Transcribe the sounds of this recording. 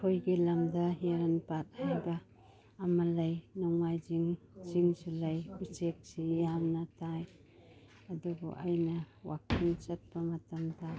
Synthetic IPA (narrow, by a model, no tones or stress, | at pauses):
kʰojɡilɐmdɐɦiɾanpat̚hajbaː | mɐlɐjnɔŋːajd͡ʒiŋ | ziŋsulɐjbit͡ʃek̚sijamnɐtaj | ɐdubɔ̰ʔajnɐwʔa̰kʰiŋt͡ʃɐt̚pɐmɐtɐmda